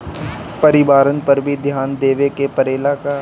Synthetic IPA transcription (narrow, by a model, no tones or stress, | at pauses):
pəɾɪʋaːɾənpɐɾbʱid̪ʱjaːnd̪eːʋekepəɾeːlaka